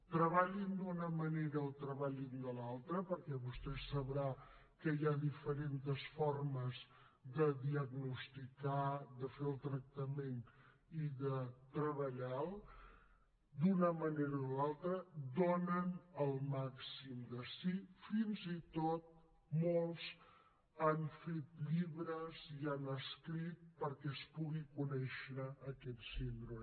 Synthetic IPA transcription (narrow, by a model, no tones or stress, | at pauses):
t̪ɾəβaʎind̪unəməneɾəːlˠt̪ɾəβaʎind̪əlalˠt̪ɾəpəɾkɛβust̪ɛsəβɾa | kəjaðifəɾent̪əsfɔrməz | ðəðiəɡnust̪ikaðəfeəlˠt̪ɾək̚t̪əmen | iðət̪ɾəβəʎalˠ | d̪unəməneɾəolalˠt̪ɾəd̪onənəlˠmaksimd̪əsifinzit̪ot̪̚ | molˠz | anfet̪ʎiβɾəzianəskɾit̪̚pəɾkɛəspuɣikunɛʃɾəːkɛt̪sind̪ɾu